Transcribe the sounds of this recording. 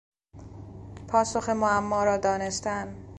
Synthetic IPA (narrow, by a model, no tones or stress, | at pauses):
pʰɒːso̞xe̞moæmːɒːɾɒːd̪ɒːne̞st̪æn